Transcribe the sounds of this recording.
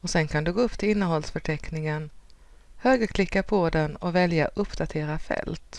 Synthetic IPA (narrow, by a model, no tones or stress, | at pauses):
ɔsɛnkʰand̪ɵɡoːɵpːt̪ʰɪlɪnːəɦɔlsfœʈʰɛknɪŋən | høːɡəɾkʰlɪkːapʰɔd̪ɛnɔvɛljaʔɵpːd̪at̪ʰeːɾafɛ̰lt̪